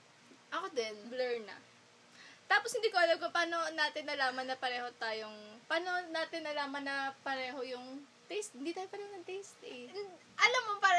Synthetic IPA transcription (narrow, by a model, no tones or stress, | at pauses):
ʔɐkod̪ɛnblɛɹnɐ̰ | t̪aːposhɪnd̪iːkoʔɐlɐɡ̚kopaːno̞naːt̪ɪnːɐlaːmɐnːɐpɐɾɛːho̞t̪aːjoŋpaːno̞naːt̪ɪnːɐlaːmɐnːɐpɐɾɛːɦo̞jʊŋ | t̪ɛjst̪hɪnd̪iːt̪aːjopɐɾɛːhonɐt̪ejst̪ɪ | ʔɐlɐmːopa